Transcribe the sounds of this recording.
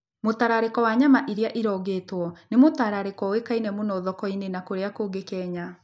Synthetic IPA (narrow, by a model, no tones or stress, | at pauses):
motaɾaɾekɔwaɲamaʔiɾjaʔiɾɔːɡeːtwɔnemotaɾaɾekɔwekainɛmonɔːðɔkɔinenakoɾeakoːɡekɛːɲa